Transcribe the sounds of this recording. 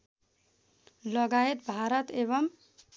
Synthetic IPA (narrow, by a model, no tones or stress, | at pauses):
lʌɡaet̪̚bʱaɾʌt̪eβʌm